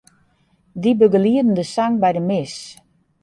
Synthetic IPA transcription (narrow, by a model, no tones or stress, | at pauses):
dibøɡəliədən̩dəsaŋbɛjdəmɪs